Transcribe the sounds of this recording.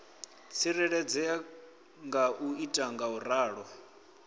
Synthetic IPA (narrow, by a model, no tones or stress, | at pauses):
t͡sʰiɾɛɺɛd͡zɛa | ŋɡaʔuitʼaŋɡauraːɺɔ